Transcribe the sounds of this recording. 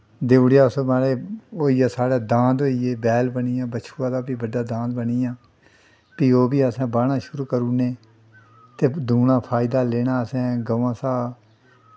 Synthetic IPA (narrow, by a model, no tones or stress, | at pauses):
d̪eːɽjaːʊsomaːɽeːoːiːjaːsaːɽaːd̪ãːnd̪ɦoːiːeːbɛːlbəniːãːbət͡ʃʰuːãːd̪aːpiːbəɖaːd̪ãːd̪bəniːãː | piːoːbiːəsɛ̃ːbaːɽãːʃʊɾuːkəɾũːnẽː | t̪eːd̪ʱuːnãːpʰaːɪd̪aːleːnaːəsɛ̃ːɡəʋãːsaː